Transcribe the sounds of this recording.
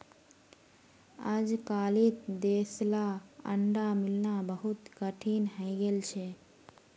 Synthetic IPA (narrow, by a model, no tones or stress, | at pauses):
ad͡ʒkalit̪d̪eslaə̰ɳɖamilnabəɦut̪kəʈʰinɦə̃ɪɡelt͡ʃʰɛ